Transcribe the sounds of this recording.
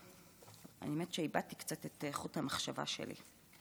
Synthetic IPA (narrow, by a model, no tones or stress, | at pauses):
ʔa̰jemet̪ʃeibat̪ikt͡satet̪eχuthamaχʃava̰ʃḛlḭ